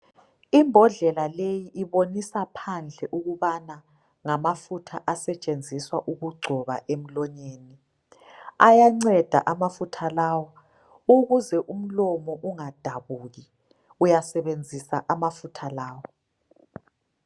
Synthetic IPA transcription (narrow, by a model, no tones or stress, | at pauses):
imbʱɔɮɛlalejiʔiβonisapʰand͡ɮʱɛʔuɣuβana | ŋamafutʰaʔasɛt͡ʃʼend͡zʱiswaʔuɣuɡ͡ǀʱɔβa̰ʔem̩lɔɲeːni | ajaŋ͡ǀɛd̥ʱa̰ʔamafutʰalawa | uɣuzɛʔum̩lɔmɔʔuŋad̥ʱaβuːɣi | ujasɛβend͡zʱisaʔamafutʰalaːwɔ